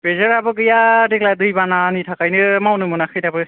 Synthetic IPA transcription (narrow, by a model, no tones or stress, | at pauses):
bezəɹabɯɡɯjadikladɯjbananitʰakajnɯmawnɯmɯnakʰɯjtabɯ